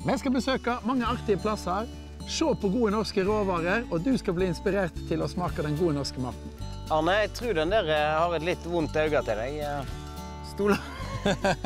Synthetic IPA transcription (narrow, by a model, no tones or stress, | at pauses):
mɛskɑbəsøːkɑmɑŋːəɑʁt̪ɪəpʰlɑsɑɾ | ʃoːpʰɔɡuːənɔʁskəʁoːʋɑːʁəɾɔd̪ʉskɑlbliːɪnspɪɾeːʁt̪ʰːɪlɔsmɑːkəd̪ɛnɡuːənɔʁskəmɑ̰ʁt̪n̩ | ɑʁnəæɪt̪ʰʁʉːd̪ɛnd̪æːʁəhɑʁɛt̪lɪt̪ːʋʊnt̪ɑʉɡɑt̪ɪld̪ɛɡ | st̪uːlə